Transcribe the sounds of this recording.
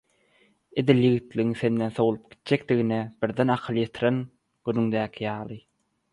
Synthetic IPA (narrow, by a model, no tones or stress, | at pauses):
ed̪iljɯɣit̪lʲiɣiŋse̞nd̪enθo̞wulˠup̚ɡ̥i̥t̪̚d͡ʒek̚d̪iɣineb̥iɾd̪enɑqʰɯlˠjet̪ʰiɾen | ɡ̥ynyŋd̪æːkʲʰijɑːlˠɯ